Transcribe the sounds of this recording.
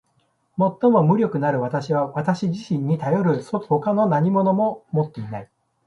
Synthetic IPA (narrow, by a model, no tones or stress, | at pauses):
mo̞t̪ːo̞mo̞mɯ̟ɾʲjo̞kɯ̟naɾɯ̟β̞at̪aɕiβaβat̪aɕiʑiɕĩɲ̟ːit̪ajo̞ɾɯ̟soho̞kano̞naɲ̟imo̞nomo̞mo̞t̪ːe̞inai